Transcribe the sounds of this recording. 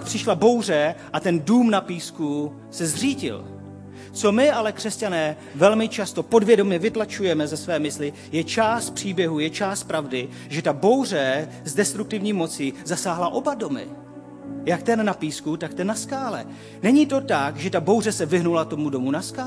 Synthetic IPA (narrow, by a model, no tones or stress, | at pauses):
kpr̥ɪʃlabo̞wr̝ɛʔat̪ɛnduːmnapiːsku | sɛzr̝iːɟɪ̰l | t͡so̞mɪalɛkr̥ɛscanɛː | vɛlmɪt͡ʃast̪o̞po̞dvjɛdo̞mɲɛvɪt̪lat͡ʃujɛmɛzɛsvɛːmɪslɪ | jɛt͡ʃaːst̪̚pr̥iːbjɛɦujɛt͡ʃaːst̪̚pɾavdɪ | ʒɛt̪abo̞wr̝ɛ | zdɛst̪ɾukt̪ɪvɲiːmo̞t͡sizasaːɦlaʔo̞bado̞mɪ̰ | jakt̪ɛnːapiːskut̪ak̚t̪ɛnːaskaːlɛ̰ | nɛɲit̪o̞t̪akʒɛt̪abo̞wrɛsɛvɪɦnulat̪o̞mudo̞munaskaː